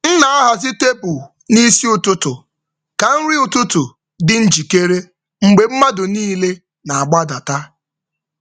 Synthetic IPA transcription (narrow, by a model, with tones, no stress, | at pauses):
n̩˦na˨a˦ɦa˨zɪ˦te˦bʊ˨ | ni˦si˦ʊ˨tʊ˦tʊ˨ | ka˨n̩˦ɾi˦ʊ˨tʊ˦tʊ˨ | dɪ˦n̩˦d͡ʒi˨ke˦ɾe˦ | ŋ͡m̩˨ɡ͡be˨m̩˦ma˦dʊ˨niː˦le˦ | na˨a˨ɡ͡ba˦da˨ta˦